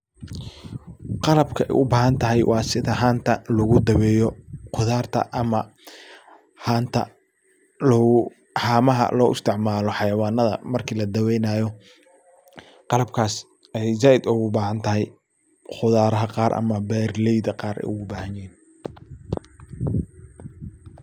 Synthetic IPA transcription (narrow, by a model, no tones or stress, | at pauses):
qɑlɐbkʰɐɛ̰jʔʊbaːɦɐnt̪ʰɐɦɛjwʔɑːsɪðɐɦaːnt̪ʰɐlʊɣʊd̪ɐwɛːjɔqʰʊðaːrt̪ʰɐ̰ʔɐmɐ | haːnt̪ʰɐ̰ | l | haːmɐɦɐ̰lɔːʔʊst̪ʰɪʕmaːlɔħɑjɐwɑːnːɐðɐ̰mɐrkʰiːlɐd̪ɐwɛjnaːjɔ | qɑlɐb̚kʰaːs | ɛjzaːʔɪd̪ʊɣʊbaːhɐnt̪ʰɐɦɛj | χʊðaːɾɐɦɐqɑːɾʔɐ̰mɐbɛːrlɛjðɐqɑːɾʔɛ̰jʊɣʊbaːhɐnjɪɦiːn